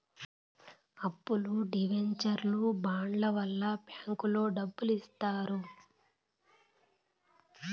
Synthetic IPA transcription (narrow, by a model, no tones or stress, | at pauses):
ɐpːuluɖiʋeɲt͡ʃɐɾlubaːɳlɐʋɐlːɐpjaːŋkulo̞ːɖɐbːulist̪aːɾu